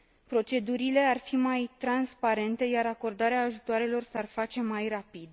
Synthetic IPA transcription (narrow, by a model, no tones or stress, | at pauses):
pɾo̞t͡ʃe̞d̪uɾile̞arfimajt̪ɾanspaɾe̞nt̪e̞jaɾako̞rd̪aɾeaːʒut̪oaɾe̞lo̞rsarfat͡ʃe̞majrapid̪